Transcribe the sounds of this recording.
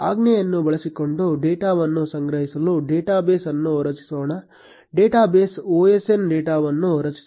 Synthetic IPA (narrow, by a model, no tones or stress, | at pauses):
aːɡnejɐnːubɐɭɐsiko̞ɳɖuɖeːʈaːʋɐnːusɐŋɡɾɐɦisɐluɖeːʈaːbeːsɐnːuɾɐt͡ʃi̥soːɳɐ | ɖeːʈaːbeːsoːesenɖeːʈaːʋɐnːuɔɾɐt͡ʃi̥s